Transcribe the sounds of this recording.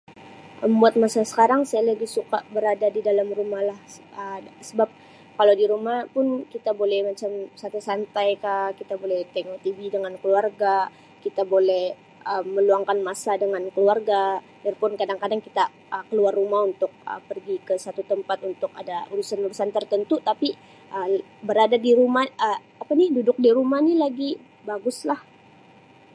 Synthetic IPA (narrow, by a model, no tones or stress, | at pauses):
ʔəmmbuat̪̚masasə̥kaɾaŋsajalabɪhsukaʔbəɾadadidalamrumahlahəsəbap̚ | kalawdiɾumahpʊnkit̪abolɛhmat͡ʃamsat̪usant̪ajkakit̪abolɛht̪eŋot̪ividəŋankəluarɡa | kit̪abolɛh | ʔəmːəluaŋkanmasadəŋankəluarɡa | diarpʊnkadaŋkadaŋkit̪a | ʔəkəluarːumahunt̪ʊk̚ə̰pərɡikəsat̪ut̪əmpat̪unt̪ʊka̰dauɾusanuɾusant̪ərt̪ənt̪ut̪api | ʔə | bəɾadadiɾumahə | apanidudʊk̚diɾumahnilaɡi | baɡʊslah